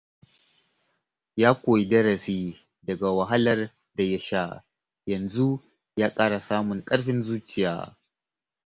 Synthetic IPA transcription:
jaː˦kʷoː˨ji˨dɐ˦ɽɐ˨siː˦ | dɐ˨ɡa˨wɐ˨ɦa˦lɐ˦r | da˨jɐ˦ʃa˦ | jɐ˨nzu˦ | jaː˦kʼaː˦ɽa˨saː˦mʊ˨ŋkʼɐ˦ɽɸɪ˦nzuː˦t͡ʃɪ˨ja̰ː˦

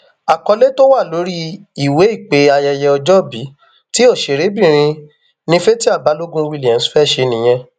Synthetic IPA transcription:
a˨kɔ˧le˦to˦wa˦˨lo˨˦ɾi˦i˦˨we˨˦i˦˨k͡pe˨˦a˧jɛ˧jɛ˧ɔ˧d͡ʒɔ˦bi˨˦ | ti˦o˦˨ʃe˨ɾe˨˦bĩ˦˨ɾ̃ĩ˧ | nĩ˦fe˦ti˦a˦˨ba˨˦lo˦ɡũ˦˧wi˦˧˨li˨ɛ̃˨˦sfɛ˦˨ʃe˧nĩ˨j̃ɛ̃˧

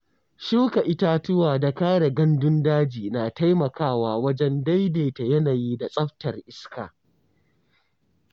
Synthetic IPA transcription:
ʃu˦ka˨ʔɪ˦ta˦tʊ˦waː˨da˨kaː˦ɽe˨ɡɐ˦ndʊ˦ndaː˦d͡ʒiː˨naː˨ta˦jmɐ˨kaː˦˨waː˦wɐ˦d͡ʒɛ˦nda˦jdeː˨ta˨jɐ˦naː˨jiː˦da˨sʼɐ˦ɸtɐ˨rʔɪ˦ska̰ː˨

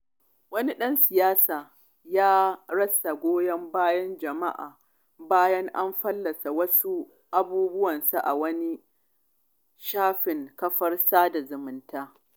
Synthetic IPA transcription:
wɐ˦ni˦ɗɐ˦nsɪ˨jaː˦saː˨ | jaː˦ɽɐ˦sa˨ɡʷoː˦jɐ˦mbaː˦jɐ˦nd͡ʒɐ˨ma̰˦ʔa̰ː˨ | baː˦jɐ˦ŋʔa˦mɸɐ˦lːɐ˨sa˨wɐ˦su˦ | ʔa˦buː˦bʊ˦wɐ˨nsa˨ʔa̰˨wɐ˦ni˦ | ʃaː˦ɸɪ˨ŋkɐ˦ɸɐ˦rsaː˦da˨zʊ˨mʊ˨ntaː˦

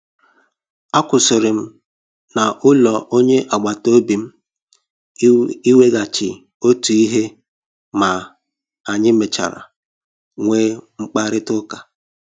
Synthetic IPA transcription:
a˦kʊ˨sʊ˨ɾɪ˨m̩˦ | na˨ʔʊ˦lɔ˨ʔo˦ɲe˦ʔa˨ɡ͡ba˨to˦bi˨m̩˦ | i˦we˦ɡa˨t͡ʃɪ˨ | o˦tu˨i˦ɦe˦ | ma˨ | a˨ɲɪ˦me˨t͡ʃa̰˨ɾa̰˨ | ŋʷeː˦ŋ͡m̩˦k͡pa˦ɾɪ˦tʊ˦ka˨

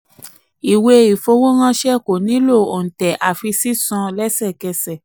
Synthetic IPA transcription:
i˨we˧i˨fo˧wo˦ɣ̃ã˦˧ʃɛ˦˨ko˨nĩ˨˦lo˦˨o˨n̩˨tɛ˨ʔa˨fi˧si˦sɔ̃˧lɛ˦sɛ˦˨kɛ˧sɛ˦˨

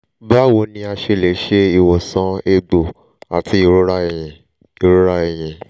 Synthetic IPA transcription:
ba˦˨wo˧nĩ˧˦a˧ʃe˧˨le˨˦ʃe˧i˧˨wɔ˨sã˨˦e˧ɡ͡bo˨ | a˨tʰi˧˦i˦˧˨ɾo˦ɾa˦ɛ˨jɛ̃˨ | i˨ɾo˦ɾa˦ɛ˨j̃ɛ̃˨

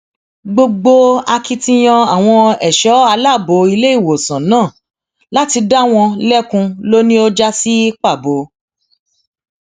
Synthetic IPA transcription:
ɡ͡bo˧ɡ͡bo˧a˧ki˧tĩ˧j̃ɔ̃˧a˨w̃ɔ̃˧ɛ˨ʃɔ˨˦a˧la˦˨bo˨˦i˧le˦i˦˨wo˨sã˨nãː˦˨ | la˦ti˧da˦w̃ɔ̃˧lɛ˦kũ˧lo˦nĩ˦o˦d͡ʒa˦si˦k͡pa˦˨bo˨˦

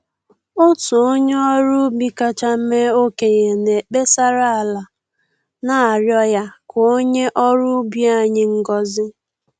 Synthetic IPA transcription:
o˦tʊ˨o˦ɲe˦ɔ˦ɾʊ˦bi˦ka˦t͡ʃa˦me˦o˦ke˨je˨ne˨k͡pe˦sa˦ɾa˦a˨la˨ | na˨a˨ɾjɔ˦ja˦kʰo˨o˦ɲe˦ʔɔ˦ɾʊ˦bi˦a˨ɲɪ˦ŋ̩˦ɡɔ˦zɪ˦

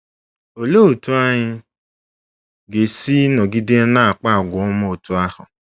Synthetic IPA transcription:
o˨lo˦o˨tu˦a˦ɲɪ˦ | ɡe˨si˦nɔ˨ɡi˦de˦na˦a˨k͡pa˦a˨ɡʷʊ˨ʊ˦m˦o˨tʊ˦a˦hʊ˨

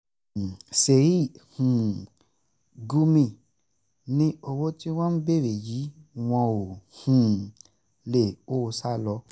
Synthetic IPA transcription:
se˨ɾi˦˨hũ˨ | ɡu˦mĩ˧˨ | nĩ˦o˧wo˦ti˦w̃ɔ̃˦n̩˦be˦˨ɾe˨ji˨˦w̃ɔ̃˧o˨hũ˨ | le˨o˦˧sa˦lɔ˧˦

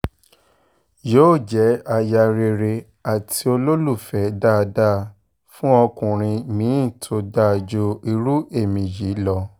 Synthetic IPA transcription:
joː˦˨d͡ʒɛ˨˦a˧ja˧ɾe˧ɾe˧ | a˨tʰi˧˦o˧lo˦lu˦˨fɛ˨˦da˦˧da˦˨ | fũ˦ɔ˧kũ˨ɾ̃ĩ˧mĩː˨˦˨tʰo˨˧˦da˦˨d͡ʒo˧i˧ɾu˦e˦˨mĩ˨ji˨˦lɔ˦˧

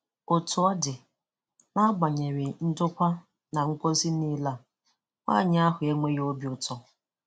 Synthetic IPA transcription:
o˨tʊ˨ɔ˦dɪ˨ | na˦ɡ͡ba˨ɲe˨ɾi˨n̩˦dʊ˦kʷa˦ | na˨ŋ̩˦kʷo˦zi˦ni˦la˦˨ | ŋʷa̰˦˨ɲ˦a˦ɦʊ˨e˦ŋʷe˦jo˦bi˨˦ʊ˨tɔ˦

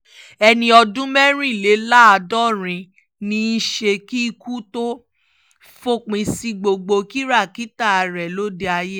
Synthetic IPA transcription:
ɛ˧nĩ˧ɔ˧dũ˦mɛ˦ɾ̃ĩ˦˨le˨˦la˦a˧dɔ˦˨ɾ̃ĩ˧ | nĩ˧i˦ʃe˧ki˦i˧ku˦to˦ | fo˦k͡pĩ˧si˧ɡ͡bo˧ɡ͡bo˧ki˦ɾa˦˨ki˦ta˦˨a˨˧ɾɛ˨lo˦de˧a˧je˦

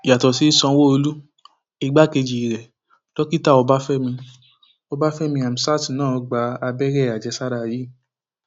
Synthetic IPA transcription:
ja˨tɔ˨si˨˦i˦sɔ̃˧wo˦o˧lu˦ | i˧ɡ͡ba˦ke˧d͡ʒi˨i˨ɾɛ˨ | lɔ˦ki˦ta˦˨ɔ˧ba˦fɛ˦mĩ˧ | ɔ˧ba˦fɛ˦mĩ˧a˨m̩˨sa˦˨ti˨nãː˦˨ɔ˧ɡ͡ba˧˦a˧bɛ˦ɾɛ˦˨a˨d͡ʒɛ˨˧˦sa˦ɾa˧˨ji˨˦˨

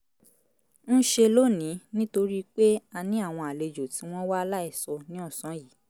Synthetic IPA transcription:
n̩˦ʃe˧lo˦nĩ˨˦nĩ˦to˧ɾi˦k͡pe˦a˧nĩ˨˦a˦˨w̃ɔ̃˧a˨le˧d͡ʒo˨ti˨˦w̃ɔ̃˦wa˦˧la˦ɛ˦˨sɔ˧nĩ˨˦ɔ˦˨sã˨˦ji˨˦

